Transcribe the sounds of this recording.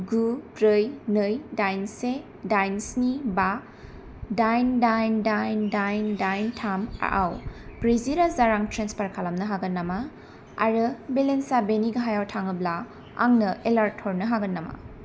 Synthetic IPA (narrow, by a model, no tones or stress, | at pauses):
ɡubɾɯjnɯjdajnse | dajnsniba | dajndajndajndajndajntʰama̰ʔawpɾiziɾazaɾaŋtʰɾenspaɾkʰalamnɐɦaɡɐnːama | a̰ɾɯbelensabeniɡɐɦajawtʰaŋɯbla | a̰ŋnɐʔelaɾtʰːɔɾnɯɦaɡɐnːama̰